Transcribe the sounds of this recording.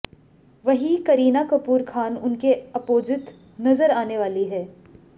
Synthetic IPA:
ʋɐɦikɐɾiːnakɐpuːɾkʰaːnʊnkeɐpoːd͡ʒɪt̪ | nɐzəɾaːneʋaːliɦɛː

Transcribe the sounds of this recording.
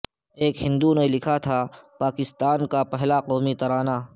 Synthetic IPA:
eːkɦɪ̃nd̪unelɪkʰat̪ʰapaːkɪst̪aːnkapɛɦlaqɔːmit̪ɐɾaːnaː

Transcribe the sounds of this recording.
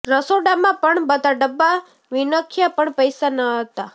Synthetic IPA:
ɾəsoɖamãpəɳbəd̪aɖəbːa | ʋinəkʰjapəɳpəjsanəɦət̪a

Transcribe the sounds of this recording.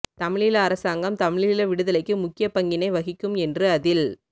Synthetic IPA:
t̪ɐmɪɻɪlɐːɾɐsaːŋɡɐmt̪ɐmɪɻɪɪlɐʋɪɽɯðɐlɐɪkːɯmʊkːɪjɐpɐŋɡɪnɐɪʋɐɣɪkːɯmɛndrɯɐðɪl

